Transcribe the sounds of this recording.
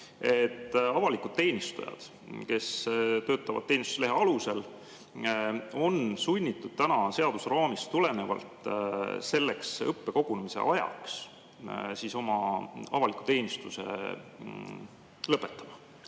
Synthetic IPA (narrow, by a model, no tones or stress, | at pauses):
e̞t̪ːˑɑvɑlikˑud̪̥̚t̪e̞ːnʲist̪ṵjɑ̰d̪̥ | ke̞st̪ø̞ːt̪ːˑɑvɑ̰d̥̪t̪ːeːnʲist̪usele̞ɦeɑluse̞l | o̞nsunʲːit̪ːˑud̪̥̚t̪ænɑse̞ɑd̪̥usrɑːmist̪t̪ule̞ne̞vɑ̰lt̪se̞lːe̞ksɤpːe̞ko̞ɡ̥unemise̞̰ʔɑjɑ̰ks | siso̞mɑɑvɑlikːˑu̥t̪e̞ːnʲist̪use̞̰ | lɤpːˑet̪ːˑɑmɑ